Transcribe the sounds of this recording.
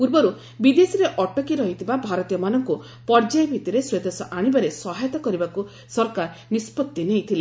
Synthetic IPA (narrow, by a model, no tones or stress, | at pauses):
puɾbɔɾu | bid̪esiɾeʔɔʈɔkiɾɔɦit̪ʰibabʱaɾɔt̪ijɔmanɔŋku | pɔɾd͡ʒajɔbʱit̪iɾeswed̪esɔʔaɽ̃ibaɾesɔɦajɔt̪ɔkɔɾibaku | sɔɾkaɾ | nispɔt̪ːinejt̪ʰile